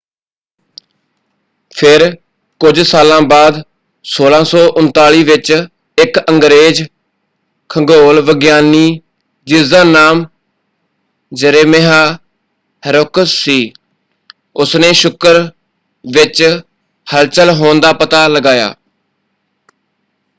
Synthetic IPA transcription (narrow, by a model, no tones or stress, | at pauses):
pʰɪɾ | kʊd͡ʒsaːlãːbaːd̪ | soːlãːsɔːʔʊnt̪aːliːʋɪt͡ʃ | ɪkəŋɡɾeːd͡ʒ | kʰəɡoːlʋəɡjaːniː | d͡ʒɪzãːnaːm | d͡ʒəɾeːmeɦaː | əɾokəsːiː | ʊsneːʃʊkəɾ | ʋɪt͡ʃ | həlt͡ʃəlɦoːnd̪aːpət̪aːləɡaːja̰ː